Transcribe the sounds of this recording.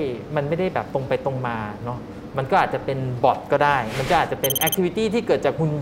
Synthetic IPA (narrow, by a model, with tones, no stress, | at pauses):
ma˧nma˥˩jda˥˩jbɛː˨˩p̚t̪o˧ŋpa˧jt̪o˧ŋmaː˧nɔ˦˥ | ma˧nkɔː˥˩ʔaː˨˩t̪t͡ɕa˨˩pe˧nbɔ˨˩t̪̚kɔː˥˩daː˥˩jma˧nkɔː˥˩ʔaː˨˩t̪t͡ɕa˨˩pe˧nʔɛ˧˦˥k̪̚ʰi˧wi˧t̪iː˥˩t̪ʰiː˥˩kɤː˨˩t̪̚t͡ɕaː˨˩k̚kʰu˧n